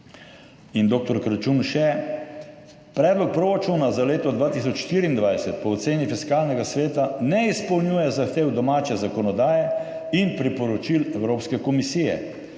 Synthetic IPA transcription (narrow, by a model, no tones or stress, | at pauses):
ind̪oːk̚t̪ɔɾkɾat͡ʃunʃɛ | pɾɛːd̪lɔk̚pɾoːɾat͡ʃunazaleːt̪ɔd̪ʋaːt̪is̬ɔt͡ʃʃt̪iːɾiːnd̪ʋajsɛt̪pɔːt̪seːnifiskaːlnɛɡasʋeːt̪anɛispɔwnjujɛzaxt̪eːwd̪ɔmaːt͡ʃɛzakɔnɔd̪aːjɛ | inpɾipɔɾɔt͡ʃilɛwɾoːpskɛkɔmisijɛ̰